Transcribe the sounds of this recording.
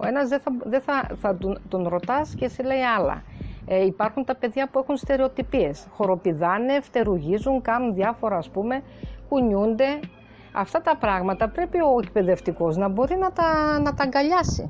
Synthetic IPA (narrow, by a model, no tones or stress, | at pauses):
o̞e̞nɐzðeθɐðeθɐθɐt̪ut̪onɾo̞t̪ɐscesile̞iɐlɐ̰ipɐɾxunt̪ɐpe̞ðʝɐpue̞xunst̪e̞ɾe̞o̞t̪ipie̞sxo̞ɾo̞piðɐneft̪e̞ɾuʝizuŋkɐnunðʝɐfo̞ɾɐːspume̞ | kuɲund̪e̞ | ɐ̰ft̪ɐt̪ɐpɾɐɣmɐt̪ɐpɾe̞pio̞ek̚pe̞ðe̞ft̪iko̞znɐbo̞ɾinɐt̪ɐnɐt̪ɐŋɡɐʎɐsḭ